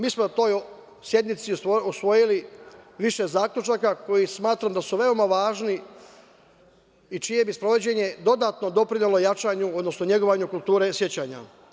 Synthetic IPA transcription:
miːsmonat̪o̞ːj | sje̞d̪nit̪siusʋo̞jiliʋiʃe̞zaːklʲʎut͡ʃakako̞jismaːt̪ɾamd̪asuʋe̞o̞maʋaːʒni | it͡ʃije̞bispɾo̞ʋo̞d͡ʑe̞ɲe̞d̪o̞d̪at̪no̞d̪o̞pɾiɲelo̞jat͡ʃaːɲuo̞d̪no̞sno̞ɲe̞ɡo̞ʋaɲukulˠt̪uːɾe̞sje̞t͡ɕaːɲa̰

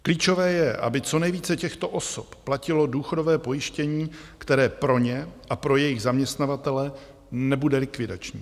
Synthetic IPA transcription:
kliːt͡ʃo̞vɛːjɛʔa̰bɪt͡so̞nɛjviːt͡sɛcɛxt̪o̞ʔo̞sopːlacɪlo̞duːxodo̞vɛːpo̞jɪʃcɛɲiːkt̪ɛɾɛːpɾo̞ɲɛʔapɾo̞jɛjɪɣzamɲɛst̪navat̪ɛlɛ | nɛbudɛlɪkvɪda̰t͡ʃɲḭː

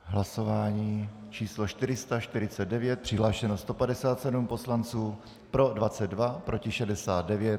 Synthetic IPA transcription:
ɦlasovaːɲiː | t͡ʃiːslo̞ʃt̪ɪɾɪst̪aʃt̪ɪɾɪt͡sɛd̪̚dɛvjɛt̪̚pr̥ɪɦlaːʃɛnost̪o̞padɛsaːt̪sɛdumpo̞slant͡suː | pɾo̞dvat͡sɛd̪dvapɾo̞cɪʃɛdɛsaːd̪̚dɛvjɛt̪̚

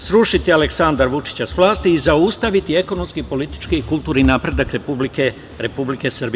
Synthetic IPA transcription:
sɾuʃit̪ialeksand̪aɾʋut͡ʃi̥t͡ɕasʋlˠaːst̪iːzaust̪aʋit̪ie̞ko̞nomskipo̞lit̪i̥t͡ʃkikulˠt̪uːɾninaːpɾe̞d̪akɾepublike | ɾe̞publike̞srbi

